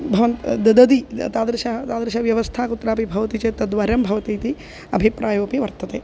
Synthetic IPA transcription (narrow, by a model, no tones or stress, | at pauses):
bʱɐʋɐnt̪d̪ɐd̪ɐd̪it̪aːd̪ɾɐʃɐt̪aːd̪ɾɐʃɐʋjɐʋɐst̪ʰaːkut̪ːɾaːpibʱɐʋɐt̪it͡ʃeːt̪ɐd̪ʋaːɾɐmbʱɐʋɐt̪iːt̪i | ɐbʱipɾaːjoːpiʋɐɾt̪ɐt̪eː